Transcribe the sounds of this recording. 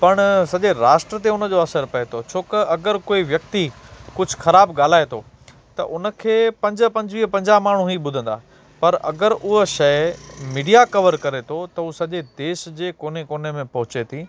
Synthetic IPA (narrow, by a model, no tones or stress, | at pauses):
pɐɽ̃sɐʄeɾaːʃʈɾət̪̬eʊnə̆d͡ʑoɐsəɾpɐet̪ʰot͡ɕʰoːkɐɐɡəɾkoːiʋjɐk̚t̪ikʊd͡ʑʱʊxɐɾaːbɠaːl̤aːet̪ʰoː | t̪ɐ̰ʔʊnə̆kʰeːpɐ̃ɲd͡ʑəpɐ̃ɲd͡ʑʋiːɦpɐ̃ɲd͡ʑaːɦmaːɳ̤ũɦiɓʊd̪ʱə̃n̆d̪a̰ː | pɐɾɐ̰ɡəɾʔʊɦeʃɐmiːɖijakɐʋəɾkɐɾet̪ʰot̪ɐuːsɐʄed̪eːʃd͡ʑeːkoːnekoːnemẽpɐɦʊt͡ɕet̪ʰiː